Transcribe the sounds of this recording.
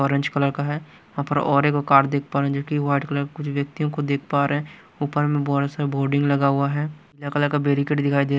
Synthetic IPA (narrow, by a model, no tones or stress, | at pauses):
ɔːɾɪ̃ɲd͡ʒkələɾkaɦɛː | ãːpəɾɔːɾekokaːɾd̪eːk̚ʰpaːɾeɦɛ̃d͡ʒoːkiʋaːɪɖkələɾkʊt͡ʃʰʋjək̚t̪ijõkod̪eːkʰpaːɾeɦɛ̃ | uːpəɾmẽbɔːɾsaboːɾɖɪ̃ŋɡlɐɡaɦʊaɦɛː | lakələɾkabeːɾɪkeːʈd̪ɪkʰaːid̪eː